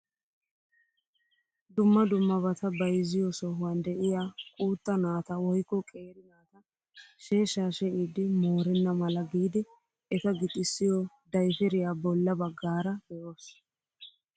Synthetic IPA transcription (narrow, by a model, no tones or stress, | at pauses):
d̪ʊmːɐd̪ʊmːɐbɐt̪ɐbɐjzɪjɔsɔɦʊwɐnd̪ɛʔɪjaːkʼuːt̪ːɐnaːt̪ɐwɔjkːɔkʼe̞ːɾɪnaːt̪ɐ | ʃe̞ːʃaːʃɛʔid̪ɪmoːɾɛnːɐmɐlɐɡiːd̪ɪ | ʔɛt̪ɐɡɪt̪ʼːɪsːɪjɔ | d̪ɐjfɪɾɪjaːbɔlːɐbɐɡːaːɾɐb̥ɛʔoːs